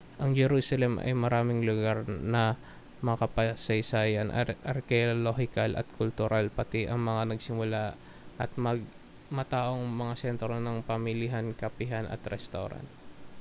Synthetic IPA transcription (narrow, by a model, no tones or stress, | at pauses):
ʔɐŋd͡ʒɛɾuːsɐlɛmʔɐ̰jmɐɾaːmɪŋlʊɡaɾnɐ | mɐkɐpɐsɐjsaːjɐnʔɐ̰ʔɐɾkɛoloɦɪkalɐ̰t̪̚kʰʊlt̪ʊɾʔalpɐt̪ɛʔɐŋmɐŋanɐɡsɪmʊla | ʔɐt̪̚mɐɡ̚ | mɐt̪aːʔo̞ŋmɐŋasɛnt̪ɾonɐŋpɐmɪlɪɦankɐpɪɦanɐ̰t̪ɾɛst̪o̰ɾa̰nt̪̚